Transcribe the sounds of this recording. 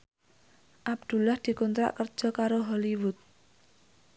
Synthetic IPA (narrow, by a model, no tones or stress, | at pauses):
ʔab̚d̪̥ṳlahd̪̥i̤kɔnt̪ɾa̰ʔkərd̥ʒ̥ɔ̤kaɾoɦɔliwʊt̪̚